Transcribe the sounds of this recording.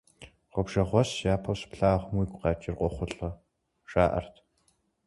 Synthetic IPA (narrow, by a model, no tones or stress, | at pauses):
ʁʷɔbʒɐʁʷɔsjaːpʰɐwspɬaːʁmwiːkʷqɑːt͡ʃʼirqʷʼɔχʷʊɬʼɐ | ʂa̰ːʔɐ̰rtʰ